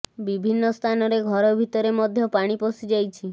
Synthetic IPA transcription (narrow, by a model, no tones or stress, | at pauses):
bibʱinːɔst̪ʰanɔɾeɡʱɔɾɔbʱit̪ɔɾemɔd̪ʱjɔpaɽ̃ipɔsid͡ʒajt͡ʃʰi